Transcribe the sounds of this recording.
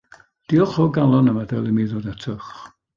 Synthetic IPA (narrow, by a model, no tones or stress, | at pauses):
d̥iɔχɔɡalˠɔnəmadalˠimiðodatʰəχ